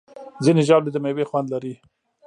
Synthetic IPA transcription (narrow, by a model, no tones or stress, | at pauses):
zineʒɑbled̪əmewexwand̪laɾi